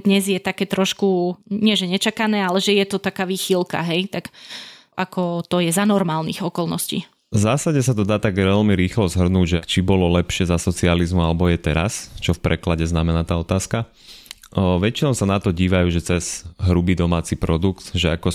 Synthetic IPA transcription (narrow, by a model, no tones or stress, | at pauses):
d̪ɲɛzjɛt̪akɛːt̪ɾɔʃkuɲɪɛʒɛɲɛt͡ʃakanɛːalɛʒɛjɛt̪ɔt̪akaːʋiːxilka̰ɦɛjt̪ak | ʔakɔt̪ɔjɛzanɔɾmaːlnḭɣɔkɔlnɔscḭː | vzaːsaɟɛsat̪ɔd̪aːt̪aɡʋɛlmiɾiːxlɔzɦr̩nuːɟʒɛt͡ʃibɔlɔlɛpʃɪɛzasɔt͡sializmualɛbɔjɛt̪ɛɾa̰st͡ʃɔfpɾɛklaɟɛznamɛnaːt̪aːɔt̪aːska | ʋɛt͡ʃinɔʊsanat̪ɔɟiːʋajuːʒɛt͡sɛz̥ɦɾubiːd̪ɔmaːt͡sipɾɔd̪ukt̪ʒɛa̰kɔ